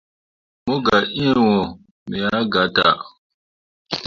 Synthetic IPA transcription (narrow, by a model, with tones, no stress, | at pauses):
mo˦ɡa˨ʔi˦˨wɔ˨ | mi˨ja˨˦ɡa˨˦ta̰˨